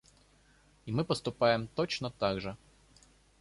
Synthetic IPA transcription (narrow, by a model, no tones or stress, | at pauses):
imɨpəst̪ʊpajɪmt̪ot͡ɕnət̪aɡʐɨ